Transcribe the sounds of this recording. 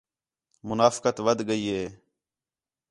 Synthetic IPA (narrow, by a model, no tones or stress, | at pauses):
mʊnaːfkət̪ʋəd̪ʱɡəiːɦeː